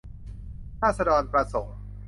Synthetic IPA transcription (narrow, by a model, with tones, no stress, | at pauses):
ɾʰaː˥˩t̚sa˧dɔː˧npɾa˧so˩˦ŋ